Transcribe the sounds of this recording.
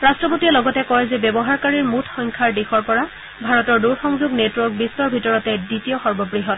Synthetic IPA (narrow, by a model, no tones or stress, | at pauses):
ɹastɹɔpotiɛlɔɡɔtɛkɔjzɛbjɔbɔɦaɹkaɹiɹmutʰxɔŋkʰaɹdixɔɹpɔɹa | bʱaɹɔtɔɹduɹxɔŋzuɡnetwɔɹk̚bistɔɹbʱitɔɹɔtɛditijɔxɔɹbɔbɹiɦɔt